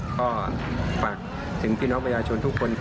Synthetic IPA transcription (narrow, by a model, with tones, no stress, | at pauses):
kʰɔː˥˩faː˨˩k̚ | t̪ʰɯ˩˦ŋpʰiː˥˩ɔː˦˥ŋpʰa˧jaː˧t͡ɕʰo˧nt̪ʰu˦˥kʰːo˧nʰ